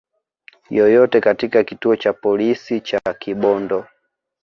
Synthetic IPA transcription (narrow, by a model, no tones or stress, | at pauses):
jɔjɔtɛkatikakituɔt͡ʃapɔlisit͡ʃakiɓɔndɔ